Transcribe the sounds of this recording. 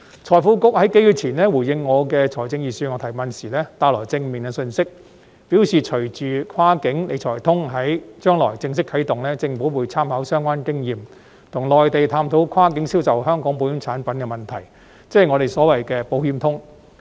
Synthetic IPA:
t͡ʃʰɔː˨˩jfuː˨˥kʊ˥k̚hɐ˨˥jke˨˥jy˨˧t̚t͡sʰiː˨˩nlɛː˥wuː˨˩jɪ˧ŋːɔː˨˧kɛː˧t͡ʃʰɔː˨˩jt͡sɪ˧ŋjiː˨˩syː˧ŋɔː˨˧t̪ʰjmɐ˨nsiː˨˩lɛː˥t̪aː˧lɔː˨˩jt͡sɪ˧ŋmɪ˨ŋɡɛ˧sɵ˧nsɪ˥k̚ | pi˨˥wsiː˨t͡ʃʰɵ˨˩t͡ʃyː˨kʰaː˥kɪ˨˥ŋle˨˧jt͡ʃʰɔː˨˩jt̪ʰʊ˥ŋɦɐ˨˥jt͡ʃœː˥ŋlɔ̰ː˨˩jt͡sɪ˧ŋs̬ɪ˥kʰːɐ˨˥jt̪ʊ˨ŋlɛː˥t͡sɪ˧ŋfu˨˥wuː˨˧jt͡sʰaː˥mhɐ˨˧˥wsœː˥ŋkʷaː˥nkɪ˥ŋjiː˨m | t̪ʰʊ˨˩ŋlɔː˨jt̪e˨jt̪ʰaː˧mt̪ʰo˨˥wkʰaː˥kɪ˨˥ŋsiː˥wsɐ˨whœː˥ŋkɔː˨˥ŋpo˨˧˥y˨˥ŋt͡sʰaː˨˥npɐ˨˥nkɛ˧mɐ˨˩nt̪ʰɐ˨˩j | t͡sɛː˥˨ŋɔː˨˧ɾe˨jsɔː˨˥wɐ˨jkɛː˧po˨˧whiː˧˥mt̪ʰʊ˥ŋ

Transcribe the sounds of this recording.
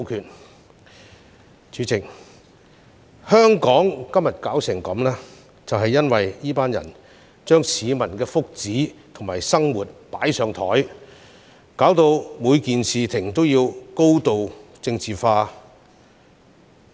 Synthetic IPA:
kʰyː˨˩t | t͡ʃyː˨˥t͡sɪ˨k̚ | hœː˥ŋkɔː˨˥ŋkɐ˥mjɐ˨t̚kaː˨˥wsɪ˨˩ŋkɐ˨˥mlɛː˥ | t͡sɐ˨wɦɐ˨jːɐ˥nwɐ˨jjiː˥paː˥njɐ̰˨˩n | t͡ʃœː˥ŋsiː˨˧mɐ˨˩nkɛː˧fʊ˥k̚t͡siː˨˥t̪ʰʊ˨˩ŋmaː˨˩jsɐ˥ŋwuː˨˩t̚paː˨˥jsœː˨˧ŋt̪ʰɔ̰ː˨˥j | kaː˨˥wt̪o˧wmuː˨˧jkiː˨nsiː˨t̪ʰɪ˨˩ŋt̪o˥wjiː˧wko˥wt̪o˨˧wt͡sɪ˧ŋt͡siː˨faː˧

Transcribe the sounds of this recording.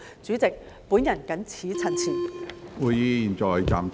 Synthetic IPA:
t͡syː˨˥t͡sɪ˨k̚ | puː˨˥njɐ˨˩nkɐ˨˥nt͡sʰiː˨˥t͡sʰɐ˨˩nt͡sʰiː˨˩wu˨˧jiː˧jiː˨˩nt͡ʃɔː˨˩jt͡sa̰ː˨m

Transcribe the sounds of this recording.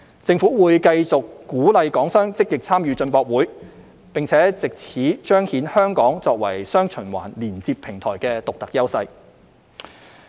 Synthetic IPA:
t͡sɪ˧ŋfuː˨˥wuː˨˧jkɐ˧jt͡sʊ˨kːuː˨˥lɐ˨˧jkɔː˨˥ŋsœː˥ŋt͡sɪ˥kːɪ˨k̚t͡sʰaː˥mjyː˨˧t͡sɵ˧npɔː˧k̚wuː˨˥j | pɪ˨ŋt͡sʰɛː˨˥t͡sɪ˨k̚t͡sʰiː˨˥t͡ʃœː˥ŋhiː˨˥nhœː˥ŋkɔː˨˥ŋt͡sɔː˧k̚wɐ˨˩jsœː˥ŋt͡ʃʰɵ˨˩nwa̰ː˨˩nliː˨˩nt͡siː˧pʰɪ˨˩ŋt̪ʰɔː˨˩jkɛː˧t̪ʊ˨k̚t̪ɐ˨k̚jɐ˥wsɐ˧j

